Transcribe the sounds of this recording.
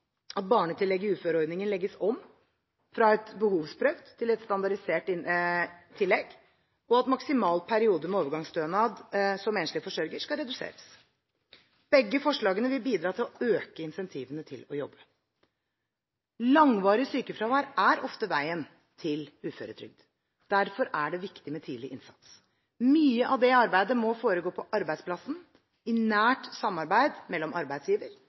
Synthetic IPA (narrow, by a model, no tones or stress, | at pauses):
ɑt̪̚bɑːɳət̪ʰɪlːɛɡːɪʉːføːɾəɔɾd̪nɪŋənlɛɡːəsɔm | fɾɑɛt̪bəhuːʋspʰɾœʋd̪ʰɪlɛt̪st̪ɑnd̪ɑɖɪseːʈɪ | t̪ʰɪlːɛɡ | ɔɑt̪mɑksɪmɑːlpʰæɾɪuːd̪əmɛoːʋəɾɡɑŋst̪øːnɑːd̪sɔmɛnəʂlɪfɔʂœɾɡəʂkɑɾɛd̪ʉsḛːɾəs | b̥ɛɡːəfɔʂɭɑːɡənəʋɪlbiːd̪ɾɑːt̪ʰɪlɔøːkəɪnsɛnt̪ʰiːʋənət̪ʰɪlɔjɔbːə | lɑŋʋɑːɾɪsyːkəfɾɑːʋæːɾæɾɔft̪əʋæɪən | t̪ʰɪlʉːfø̰ːɾət̪ʰɾʏ̰ɡ̚d̪̥ | d̪̥æɾfɔɾæɖɛʋɪkt̪ɪmɛt̪ʰiːlɪʔɪnsɑ̰t̪s | myːəʔɑʋd̪ɛɑɾbæɪd̪əmɔfoːɾəɡoːpʰɔʔɑɾbæɪspʰlɑsn̩ | ɪnæːʈsɑmːɑɾbæɪd̪mɛlːɔmɑ̰ɾbæɪd̪sjiːʋəɾ